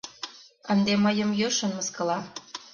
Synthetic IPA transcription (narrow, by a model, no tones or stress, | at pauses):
ənd̪eməjəmjøʃə̆nməskɤ̆lɑ